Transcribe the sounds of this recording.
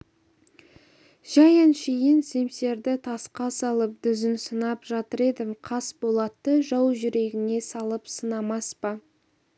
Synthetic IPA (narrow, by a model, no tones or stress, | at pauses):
ʒ̥ɑjənʃijɪnse̞mse̞ɾd̪ɪt̪ʰɑsqɑsɑlˠəp̚d̪ʏzɪnsənɑpʒɑt̪əɾe̞d̪ɪmqʰɑsbo̞lˠɑt̪ːəʒɑwʒʏɾe̞ɡʲɪne̞sɑlˠəpsənɑmɑspɑ